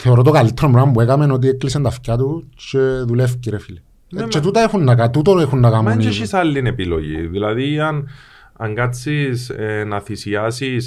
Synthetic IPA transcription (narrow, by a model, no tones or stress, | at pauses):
θeoɾot̪okalit̪ʰːeɾomɾambuekamenot̪̬ieklisent̪ɐfcat̪ut͡ʃeðulefciɾefili | t͡ʃːet̪ut̪ɐexunːɐkat̪ut̪oexunːakameniʃisalːinepilo̰ʝḭðilɐðiɐn | ɐ̰ŋɡat͡sːisenɐθisiasis